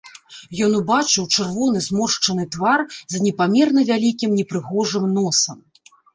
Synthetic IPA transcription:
jɔnubat͡ʂɨwt͡ʂɨrvɔn̪ɨzmɔʂt͡ʂɐnɨt̪varzɐnʲɛpamʲɛrnɐvʲalʲikʲimnʲɛpɾɨɣɔʐɨmnɔsɐm

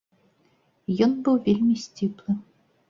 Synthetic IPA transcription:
jɔnbɨwvʲelʲmʲisʲt͡sʲiplˠɨ

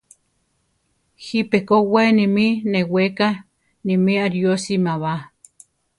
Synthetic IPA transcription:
hipekowenimineweka | nimiaɾjosimaβa

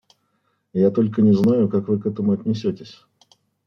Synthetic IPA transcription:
jat̪olʲkənʲɪznajʊkakvɨkɛt̪əmʊɐt̪ʲnʲɪsʲotʲɪsʲ

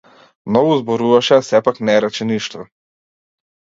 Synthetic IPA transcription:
mnɔɡuzbɔɾuvaʃɛasɛpaknɛɾɛt͡ʃɛniʃt̪ɔ

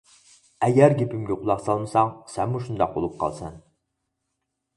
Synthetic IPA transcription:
ɛɡʲæɾɡʲepɪmɡʲɛqʰʊlˠɑχsɑlˠmɨsɑŋsɛmːuʃund̪ɑq̚bo̰lˠup̚qʰɑ̰lˠsɛn

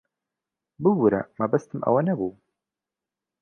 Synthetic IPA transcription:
bɨwɾa̰maːbɐst̪ʰɨmʔɐ̰wɐnɐbu

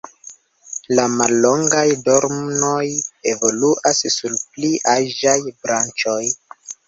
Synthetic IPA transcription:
lamalːo̞ŋɡajdo̞ɾmno̞je̞vo̞luʔassulpliʔaʒajbɾant͡ʃo̞j

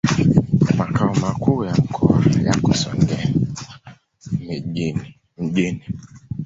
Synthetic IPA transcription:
makʰaɔmakujaŋkʰɔajakɔsɔ̰ŋɡɛ | m̩ʄini

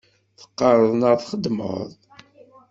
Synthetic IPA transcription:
θə̥qːəɾˤəðˤnəɾθχəd̪mə̰ðˤ

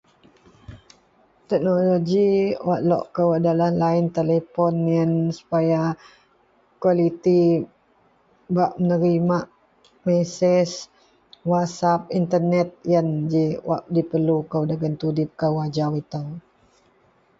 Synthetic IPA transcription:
t̪ɛk̚noloɡiwaʔlɔ̰ʔkəwadalahlaɪnt̪elepɔnjənsu̥paja | kwalit̪i | baʔmənəɾimaʔ | mɛsɛs | watsap̚int̪ərnɛt̪̚jand͡ʒiwa̰ʔdipərlukəwdaɡənt̪udɪp̚kəwad͡ʒawit̪aw

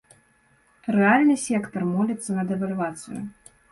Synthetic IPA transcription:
ɾɛalʲnɨsʲɛkt̪ɐrmɔlʲɐt̪sːɐnɐd̪ɛvalʲvat̪sɨ̰jṵ

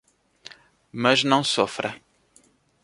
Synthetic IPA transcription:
mɐznɐ̃w̃sɔfɾɐ

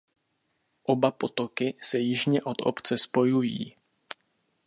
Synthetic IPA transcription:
ʔo̞bapo̞t̪o̞kɪsɛjɪʒɲɛʔo̞t̪o̰pt͡sɛspo̞jujḭː

